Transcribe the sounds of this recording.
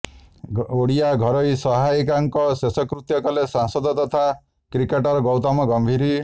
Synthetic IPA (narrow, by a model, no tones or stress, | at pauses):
oɽijaɡʱɔɾɔjsɔɦajkaŋkɔsesɔkɾut̪jɔkɔlesaŋsɔd̪ɔt̪ɔt̪ʰa | kɾikeʈɔɾɔɡɔwt̪amɔɡɔmbʱiɾi